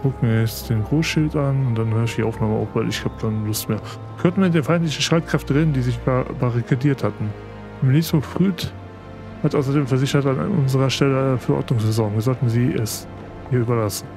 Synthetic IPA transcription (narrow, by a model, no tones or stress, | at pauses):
ɡ̥ʊk̩viːɐjɛt͡sd̥eːnɡʁoːsʃɪltanʊnt̚d̥anhøːɐɪçd̥iːʔa̰ʊfnaːməʔa̰ʊfv̥aɪlɪçhaːb̚d̥aːnlʊstmeːɐ | kʰɔntn̩viɐɪnd̥eːnfaɪntlɪçəʃʁ̥aɪt̚kʁ̥ɛftəʁeːdn̩diːzɪbabaʁikʰadiːɐthatn̩ | mniːsmfʁ̥yːt | hatʔaʊs̬ɐdeːmfɛɐzɪçɐtan̰ʔʊ̰nzəʁɐʃtɛləfɛɐɔ̰ɐtnʊŋsz̥ɛzɔŋviɐzɔltn̩ziːʔɛs | hiːɐyːbɐlasn̩